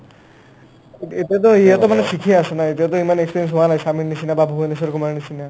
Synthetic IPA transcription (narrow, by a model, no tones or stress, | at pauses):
et̪iat̪̬ɔeɦat̪ɔmanesikʰiaasɔnaet̪iat̪̬ɔimanekspiɾiens̬ɦoanajsaminnisinababʱujnisɔɾkumaɾnisina